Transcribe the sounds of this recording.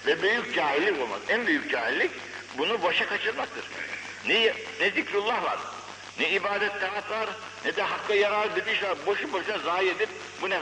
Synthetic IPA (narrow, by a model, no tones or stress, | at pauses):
vɛbyjyc̚d͡ʒaːɦilʲːiko̞lˠma̰zænbyjyc̚d͡ʒaːɦilʲːic | bunubaʃakʰat͡ʃʰɯɾmak̚t̪ʰɯɾ̥ | nɛjnɛzikɾulˠːahva̰ɾ | nɛibaːd̪ɛt̪ːaat̪vaɾ | nɛd̪ɛɦakːajaɾalˠɯd̪ed̪iʃvaɾboʃuboʃnɛzaːhied̪ip̚ | bunɛ